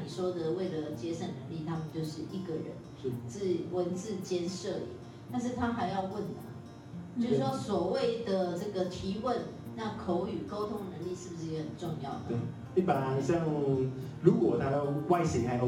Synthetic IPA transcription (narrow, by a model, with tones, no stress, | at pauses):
ni˨˩ʂwɔ˥d̪ə˨we˥˩ɪlə˩t͡ɕjɛ˥ʂə˥˩nnə˧˦ŋli˥˩t̪ʰa˥mə˨nt͡ɕjo˥˧ʊʂɻ̩˥˩ʔi˥˩ɡə˨ɻə̰˧˦n˥˩t͡sɹ̩˥˩wə˧˦˥nt͡sɹ̩˥˨t͡ɕjɛ˥nʂə˥˨˩ḭ˨˩˦ | t̪a˥˧nʂ̬ɻ̩˥˩t̪ʰa˥xa˧˥ɪjɑ˥˧ʊwə˥˩nːə˩ | t͡ɕʊʂ̩˥˩ʂwɔ˥swɔ˨˩we˥˨˩ɪd̪ə˩ʈ͡ʂɤ˥˩ɡə˩t̪ʰi˧˥wə˥˨nna˥˨kʰo˧˥ʊy˨˩ko˥ʊt̪ʰʊ˥ŋnə˧˥ŋli˥˧ʂɻ̩˥˩bu˨˩ʂɻ̩˥˧ɡhə˨˩nʈ͡ʂʊ˥˧ŋjɑ̰˥˩ʊd̪ə˧˩ | i˥˩pa˨˩˨ɕjɑ˥˨˩ŋ | ɻu˨˥kwɔ˨˩t̪ʰa˥j̪o˥˧ʊwa˥˧ɪɕi˨˩ŋʰa˧ɪj